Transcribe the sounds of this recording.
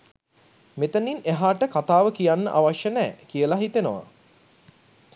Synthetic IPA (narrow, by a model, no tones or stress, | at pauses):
met̪ənineɦaːʈəkat̪aːʋəkijanːə̰ʔaʋaʃjənɛːkijəlaɦit̪enəʋa̰